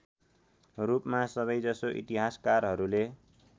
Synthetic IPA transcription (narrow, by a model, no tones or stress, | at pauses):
rupmasʌβʌjd͡zʌsoʔḭt̪iɦaskarɦʌɾule